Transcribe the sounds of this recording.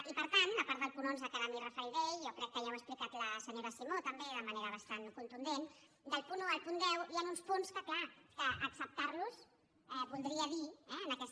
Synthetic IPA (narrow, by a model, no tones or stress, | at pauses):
ipəɾt̪and̪əpaɾt̪d̪əlˠpunonzðəkaðəmirəfɛjðeʎjɔkɾɛkːəjawəksplikat̪ləsəɲoɾəsimot̪əmbeðəməneɾəβ̞əst̪ankunt̪und̪en | d̪əlˠpunuəlˠpund̪ɛwianunspunskəklakəʔəksəp̚t̪aɾlus | ɛβulˠd̪ɾiəðiɛənəkɛs